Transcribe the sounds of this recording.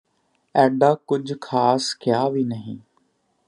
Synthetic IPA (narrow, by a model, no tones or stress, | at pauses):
ɛːɖaːkʊd͡ʒkʰaːskɪjaːʋiːnəɦĩː